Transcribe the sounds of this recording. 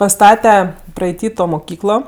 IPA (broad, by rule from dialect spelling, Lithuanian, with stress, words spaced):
pɐˈstɑːtʲɛ prɐɛɪˈtʲiː toː moːˈkʲiːklˠoː